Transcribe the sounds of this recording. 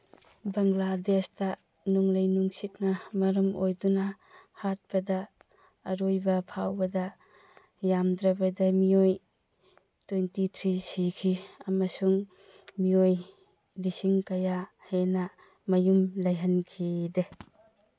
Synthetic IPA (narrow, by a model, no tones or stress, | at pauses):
baŋladesda | nuŋlajnuŋsit̚namɐɾɐmojduna | hat̚b̥ɐdaː | ɾojbapʰawbɐda | jamdɾabadamioj | tejntitʰɾisikʰiɐmɐsuŋ | mioj | lisiŋkaja | hena | mɐjumlajɦɐnkʰide